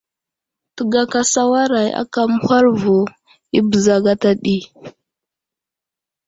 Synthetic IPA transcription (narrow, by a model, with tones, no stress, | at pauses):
tə˨ɡa˦ka˦sa˦wa˦ɾa˨ja̰˦ka˦mu˦ha˦ɾvu˨ | i˦bə˨za˨ɡa˦ta˦ɗi˦